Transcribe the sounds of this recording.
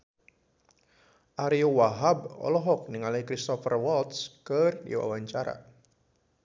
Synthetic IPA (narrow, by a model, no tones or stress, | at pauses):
ʔaɾiuwaɦabɔ̰lɔɦɔk̚niŋalikɾist̪ɔfərwɔlt̪skərdḭwa̰waɲt͡ʃaɾa̰